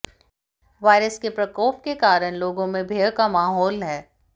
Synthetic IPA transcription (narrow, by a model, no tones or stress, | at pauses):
ʋaːɪɾəskepɾɐkɔːp̚kekaːɾəɽ̃loːɡõmẽbʱeːɽkamaːɦɔːlɦɛː